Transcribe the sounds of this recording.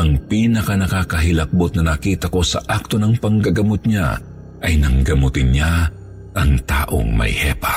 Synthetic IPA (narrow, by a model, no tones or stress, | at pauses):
ʔɐŋpiːnɐkɐnɐkakɐɦɪlɐk̚bot̪̚nɐnɐkiːt̪ɐko̞sɐ̰ʔak̚t̪o̞nɐŋpɐŋɡɐɡɐmot̪̚ɲa̰ | ʔɐjnɐŋɡɐmot̪ɪnɲa | ʔɐŋt̪a̰ːʔo̞̰ŋmɐ̰jhɛ̰pa